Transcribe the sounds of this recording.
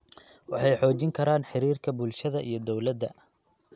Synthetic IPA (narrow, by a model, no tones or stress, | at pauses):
wɑħɑjħɔːt͡ʃɪŋkʰɐɾaːnħɪɾiːrkʰɐbʊlʃɐðɐʔijɞd̪ɔwlɐd̪ːɐ̰